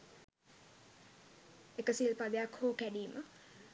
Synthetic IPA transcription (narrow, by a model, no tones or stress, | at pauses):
ekəsilpad̪ejakhoːkæɖiːmə